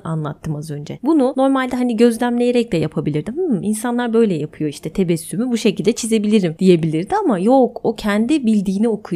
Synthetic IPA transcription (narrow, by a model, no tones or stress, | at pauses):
a̰nlˠat̪ʰːɯmazø̞nd͡ʒɛbununo̞ɾmalʲd̪ɛɦaniɟø̞zlʲæmlʲe̞jeɾɛc̚lɛjapʰabilʲiɾd̪imɯinsanlˠaɾbø̞jlʲɛjapʰɯjo̞iʃt̪ʰɛt̪ʰe̞bɛsːymybuʃe̞cʰilʲd̪ɛt͡ʃʰize̞bilʲiɾimd̪̥ije̞bilʲiɾd̪iamajo̞ko̞cʰɛnd̪ibilʲd̪iːnio̞kʰuj